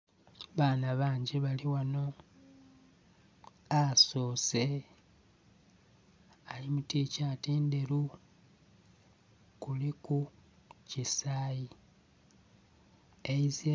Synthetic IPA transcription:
βaːnaβaːɲɟeβaliwano̞ | asoːse | alimutiːcatiːndeɾu | kuliku | cisaːji | eizi

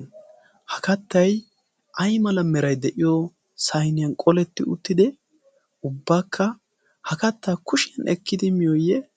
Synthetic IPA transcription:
hɐkɐt̪ːɐj | ʔɐjmɐlɐmːɛɾɐjd̪ɛʔɪjɔ | sɐjnɪjɐnkʼɔlɛt̪ːɪʊ̰t̪ːɪd̪ɛ | ʊbːaːkʰːɐ | hɐkɐt̪ːaːkʊʃɛnʔɛ̰kːɪd̪ɪmɪjɔjːɛ

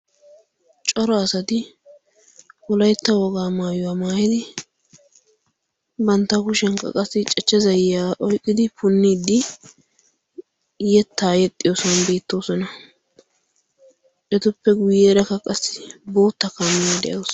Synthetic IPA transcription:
t͡ʃʼɔɾɔɐsɐt̪ɪ | wɔlɐjt̪ːɐwɔɡaːmaːjʊwaːmaːjɪd̪ɪ | bɐnt̪ːɐkʊʃɛŋkːɐ̰kʼɐsːɪt͡ʃʼɛt͡ʃːɛzɐjjaːʔɔjkʼːɪd̪ɪpʊnːiːd̪ːɪ | jɛt̪ːaːjɛt̪ʼːɪjoːsɔnbe̞ːt̪ːo̞ːsɔnɐ | ʔɛt̪ʊpːɛɡʊjeːɾɐkːɐkʼɐsːɪ̥bo̞ːt̪ːɐkɐmːɪjad̪ɛ̰ʔɐws

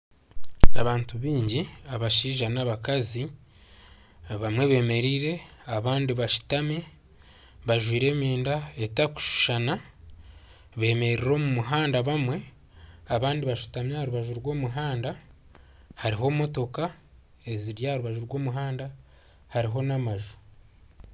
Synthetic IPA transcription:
aβaːntuβiːɲɟiaβaʃiːʒanaβakazi | βamwe̞βe̞ːme̞ɾiːɾe̞aβaːndiβaʃu̥tame | βaʒwiːɾe̞ːmeːndaetaku̥ʃu̥ʃana | βe̞ːme̞ɾiɾo̞ːmumuɦaːndaβamwe̞ | aβaːndiβaʃu̥tamjahaɾuβaʒuɾɡwo̞ːmuɦaːnda | haɾiɦo̞ːmo̞to̞ka | e̞ziɾjahɾuβaʒuɾɡo̞ːmuɦaːnda | haɾiɦo̞namaʒu̥

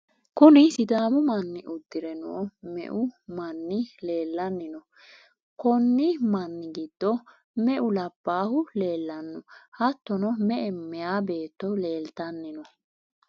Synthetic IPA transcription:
kʊnɪsɪd̪aːmʊmɐnːɪʔʊd̪ːɪɾɛnɔ̰ʔɔmɛ̰ʔʊmɐnːɪle̞ːlːɐnːɪnɔ | kɔnːɪmɐnːɪɡɪd̪̥ːɔ | mɛʔʊlɐb̥ːaːhʊle̞ːlːɐnːɔhɐt̪ːɔnɔmɛʔɛmɛjaːbe̞ːt̪ːɔle̞ːlt̪ɐnːɪnɔ

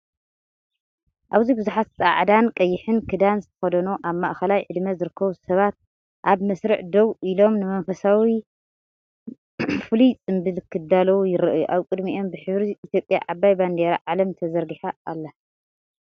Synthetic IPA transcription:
ʔaβzibɨzuħat̪t͡sʼa̰ʕd̪ankʼɐjːɪħɨnkʰɨd̪anzɨt̪ʰɐ̥xɐd̪ɐnuʔaβmaʔxɐlajʕɨd̪mɐzɨɾɨkʰːɐβusɐβat̪̚ | ʔaβmɐsɾɨʕd̪owʔilo̞mnɨmɐnfɐsawi | fɨlit͡sʼɨmbɨlkʰːɨd̪alɐwjɪɾɨʔjuʔaβkʼɨd̪miʔo̞mbɨħɨβɾiʔːt̪ʰjo̞pʼja̰ʕabajband̪eɾaʕalɐmt̪ʰɐzɐɾɡɨħaːlːɐ

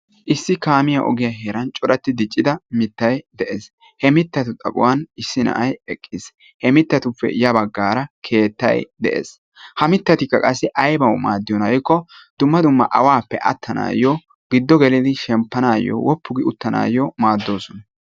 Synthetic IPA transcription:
ʔɪsːɪkaːmɪjɐʔɔ̰ɡɪjɐɦeːɾɐnt͡ʃʼɔɾɐt̪ːɪd̪ɪt͡ʃʼːɪd̪ɐmɪt̪ːɐjd̪ɛʔeːs | hɛmɪt̪ːɐt̪ʊt̪ʼɐ̰kʼʊ̰wɐnɪsːɪnɐ̰ʔɐjɛkʼːɪs | hɛmɪt̪ːɐt̪ʊpːɛ̰jɐbɐɡːaːɾɐkʰe̞ːt̪ːɐ̰jd̪ɛʔḛːs | hɐmɪt̪ːɐt̪ɪkːɐkʼɐsːɪʔɐjbɐwma̰ːd̪ːɪjɔnɐjkːɔd̪̥ʊmːɐd̪ʊmːɐ̰ʔɐwaːpːɛ̰ʔɐt̪ʰːɐna̰ːjɔ | ɡɪd̪ːɔɡɛlɪd̪ɪʃɛmpːɐnaːjːɔ̰wɔpːʊɡɪʊt̪ːɐna̰ːjɔmaːd̪ːo̞ːsɔnɐ

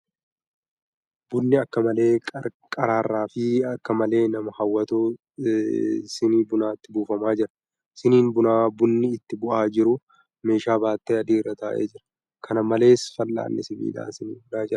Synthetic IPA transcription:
bʊnːɪɐkːɐmɐle̞ːɐkʼɐɾaːrːaːfɪɐkːɐmɐle̞ːnɐmɐhɐwːɐt̪uː | sɪniːbʊnaːɪt̪ːɪbuːfɐmaːd͡ʒɪɾɐ̥ | sɪniːnbʊnaːbʊnːɪɪt̪ːɪbʊʔaːd͡ʒɪɾʊ | me̞ːʃaːbaːt̪ːɐɐd̪iːɪrːɐt̪aːʔḛːd͡ʒɪɾɐ̥ | kʰɐnɐmɐle̞ːsfɐlːa̰ːnːɛsɪbḭːd̪a̰ːnsɪnḭːbʊlaːd͡ʒɪɾɐ̥

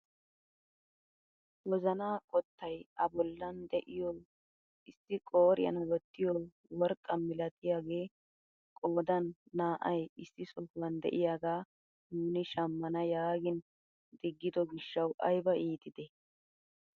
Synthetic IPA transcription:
wɔzɐnaːkʼɔt̪ːɐjɐbɔlːɐnd̪ɛʔɪjoː | ʔɪsːɪkʼoːɾɪjɐ̰nɐwɔt̪ːɪjo | wɔɾkʼːɐmmɪlɐt̪ɪjaːɡe̞ː | kʼoːd̪ɐnːaːʔɐjɪsːɪsɔfwɐnd̪ɛ̰ʔɪjaːɡaː | nuːnɪʃɐmːɐnɐjaːɡɪn | d̪ɪɡːɪd̪ɔɡɪʃːɐwʔɐjbɐʔiːt̪ɪd̪ɛ

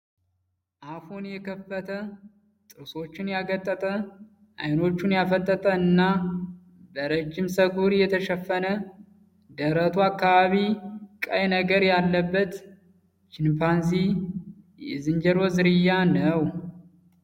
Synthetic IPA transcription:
ʔafunjɛkʰəfːət̪ʰə | t̪ʼɨɾso̞t͡ʃːɪnjaɡət̪ʼːət̪ʼə | ʔa̰jno̞t͡ʃːunjafət̪ʼːət̪ʼəɨnːa | bəɾəd͡ʒːɪmsəɡuɾjɛt̪ʰəʃɛfːənə | d̪əɾət̪ʰuakːaβaβikʼəjnəɡəɾjalːəbːət̪ | t͡ʃɪnpans̬i | jɛ̰zɨnd͡ʒɛɾo̞zɨɾɨjːanəw

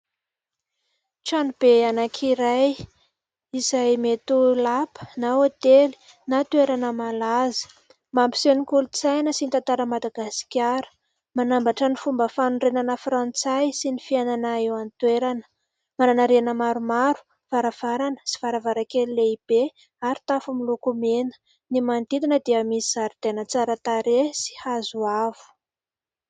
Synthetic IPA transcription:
ʈ͡ʂanub̥eanakʰiɾaj | izajmet̪ulapə̥naot̪eli̥ | nat̪ueɾanəmalazə̥ | mampi̥senikulut͡sajnəsinit̪ant̪aɾəmad̪aɡasi̥kʲaɾə̥ | manambaʈ͡ʂənifumbəfanunrenanəfrant͡sajsinifiananaewanit̪weɾanə̥ | mananaɾeanəmaɾumaɾu̥ | v̥aɾav̥aɾanə̥si̥v̥aɾavaɾakelileib̥e | aɾit̪afumilokumenə̥ | nimand̪id̪inəd̪eəmisizaɾid̪enət͡saɾət̪aɾesi̥hazuavu̥

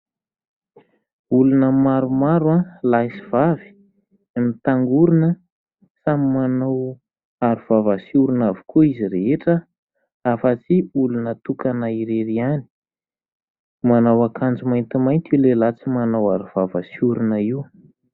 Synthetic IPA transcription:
ulunəmaɾumaɾwalasivavi̥ | amit̪aŋɡuɾunə | samimanaw | aɾuv̥avasiuɾunavi̥kʰuiziɾeɦeʈ͡ʂə | afat͡siulunət̪ukanaiɾeɾiani̥ | manawakʰand͡zumajnt̪imajnt̪iulelat͡simanawaɾuv̥avasiuɾunəiw

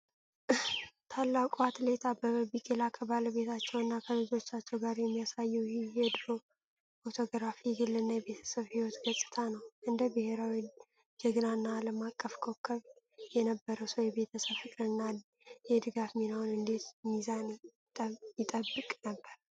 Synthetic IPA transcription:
t̪ʰalːakʼuat̪le̞t̪ʰabəbikʼelakʰəbaləβe̞t̪ʰat͡ʃːɛwɨnːakʰəlɨd͡ʒo̞t͡ʃːat͡ʃːɛwɡaɾjɛmːijasajɛwhijɛd̪ɨɾo̞ | fot̪ʰo̞ɡɾafiɡɨlːɨnːajɛbe̞t̪ʰə̥səβhiwɔt̪ɡəsʼːɨ̥t̪ʰanəwʔɨnd̪əbɨhe̞ɾawi | d͡ʒɛɡɨnaɨnːaːləmakʼːəfkʰo̞kʰːəβ | jɛnəbːəɾəwsəwjɛbe̞t̪ʰəsəβhɨkʼɾɨnːa | jɛd̪ɨɡafminawunɨnd̪e̞t̪mizan | jɪt̪ʼəbːɨkʼnəbːəɾ

